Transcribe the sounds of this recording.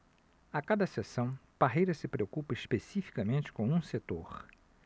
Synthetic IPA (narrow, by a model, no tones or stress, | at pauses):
akad̪ɐsesɐ̃w̃paɦejɾɐsɪpɾeokupɐiʃpesifi̥kɐmẽnt͡ʃɪ̥kõũset̪oχ